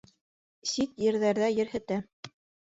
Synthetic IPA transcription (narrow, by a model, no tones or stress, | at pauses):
sit̪jɘ̆ɾðæɾðæjɘ̆ɾhɘ̆t̪æ